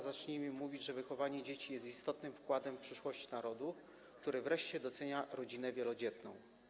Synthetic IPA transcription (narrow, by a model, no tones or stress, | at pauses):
zat͡ʂɲimɘmuvʲid͡ʑʐɛvɘxɔvaɲɛd͡ʑet͡ɕijɛst̪ist̪ɔt̪nɘmfkwad̪ɛmfpʂɘʂwɔɕt͡ɕnaɾɔd̪u | k̚t̪uɾɘvɾɛʂt͡ɕɛd̪ɔt̪sɛɲaɾɔd͡ʑinɛvʲjɛlɔd͡ʑɛt̪nɔ̰̃w̃